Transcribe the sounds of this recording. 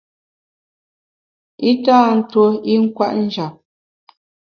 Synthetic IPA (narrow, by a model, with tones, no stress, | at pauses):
i˦taː˦˨n̩˦two˦i˦ŋ̩˦kwa̰˦ʔn̩˦d͡ʒa˨p̚